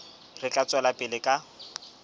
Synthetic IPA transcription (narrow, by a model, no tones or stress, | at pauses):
rɪt͡ɬʼat͡sʼɛlapʼɪlɪkʼa